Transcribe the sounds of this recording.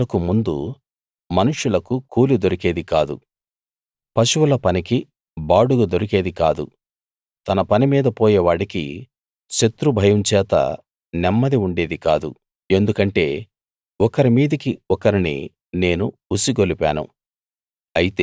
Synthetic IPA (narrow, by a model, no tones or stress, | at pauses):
ɐkumund̪ṵ | mɐnuʂulɐkukuːlid̪oɾikeːd̪ikaːd̪ṵ | pɐʃuwulɐpɐniki | baːɽuɡɐd̪oɾike̞ːd̪ikaːd̪ṵ | t̪ɐnɐpɐnimiːd̪ɐpɔːjɛːʋaːɽikḭ | ʃet̪ɾubʱɐjɐmt͡ʃɛːt̪ɐ̰ | nɛmːɐd̪iuɳɖe̞ːd̪ikaːd̪ṵ | e̞nd̪ukɐɳʈe̞ː | ɔkɐɾimiːd̪ikiɔkɐɾinḭ | ne̞ːnu | usiɡolipa̰ːnṵ | ɐjit̪e